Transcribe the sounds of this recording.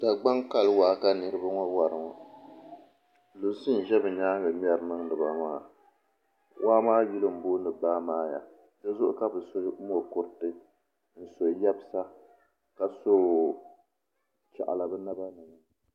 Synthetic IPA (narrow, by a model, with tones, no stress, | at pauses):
da˨ɡ͡ba˦ŋka˦lwaː˨˦ka˦nɨ˨ɾɨ˦ba˦ŋɔ˦wa˨ɾɨ˨ŋɔ˨ | lo˨si˦n̩˨ʒɛ˦bɨ˨ɲaː˦ɡɨ˨m˦ɛ˦ɾnɨ˦ŋdɨ˨ba˨maː˦˨ | wʔaː˦maː˦ji˦lɨ˦m̩˨boː˦nɨ˨baː˦maː˦ja˨ | dɛ˦zʊ˦ʔʊ̰˦ka˦bɨ˨so˦o˨kʊ˦ɾtɨ˦ | n̩˨so˨˦jɛ˦bsa˦ | ka˨so˦˨ | t͡ʃa̰˨ʔa̰˨la˨bɨ˦na˦ba˦nɨ˨ŋɨ˦ŋ